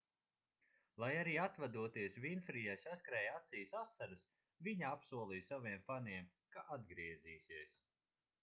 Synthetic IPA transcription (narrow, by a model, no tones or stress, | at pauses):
lˠajaɾiːat̪vad̪uɔt̪iɛsvinfɾijajsaskɾɛːjat̪sijsasːaɾɨs | viɲaapsuɔlˠiːsaviɛmfaniɛm | kaʔad̪̚ɡɾiɛziːsiɛs